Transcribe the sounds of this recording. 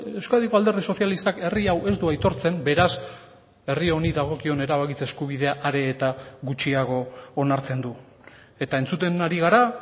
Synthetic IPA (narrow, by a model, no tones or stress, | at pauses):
e̞wskaðiko̞ald̪e̞ɾðiso̞θjalist̪ake̞riawʔe̞zd̪uajt̪o̞ɾt͡se̞mbe̞ɾas | e̞rio̞niðaɣ̞o̞kio̞ne̞ɾaβakit͡seskuβ̞iðe̞aʔaɾe̞ːt̪aɣut͡ʃiaɣ̞o̞ːnaɾt͡se̞nd̪u | e̞t̪ae̞nt͡sut̪e̞naɾiɣ̞aɾa